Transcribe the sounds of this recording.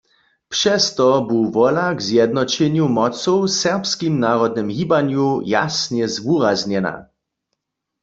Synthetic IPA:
pʂɛst̪ɔbuwvɔlaɡzjɛd̪̚nɔt͡ɕɛnjumɔt͡sɔwsɛʁpskimnaʁɔd̪̚nɪmɣibanjuja̰snjɛzvuʁazɲɛna̰

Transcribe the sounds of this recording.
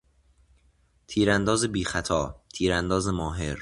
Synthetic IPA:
t̪ʰiːɾænd̪ɒːzebiːxæt̪ʰɒːt̪ʰiːɾænd̪ɒːzemɒːɦe̞ɾ

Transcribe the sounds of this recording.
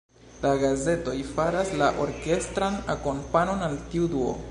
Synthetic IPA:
laɡaze̞to̞jfaɾaslaʔo̞ɾke̞stɾanako̞mpano̞naltiuduo̰

